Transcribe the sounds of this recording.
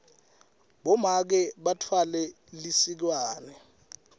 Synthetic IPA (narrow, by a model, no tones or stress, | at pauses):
ɓɔmak̬ɛɓatʰwalɛ | lisik̬waːnɛ